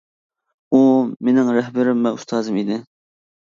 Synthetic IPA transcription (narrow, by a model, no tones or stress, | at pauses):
umenɪŋɾɛɦbɪɾɪmːɛust̪ʰɑːzɨmid̪ɪ